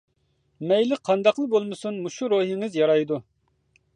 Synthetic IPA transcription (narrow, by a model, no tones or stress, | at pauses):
mɛjlɪqʰɑnd̪ɑqlˠɨbolˠmɨsunmuʃuɾoɦiŋɪzjɑɾɑjd̪u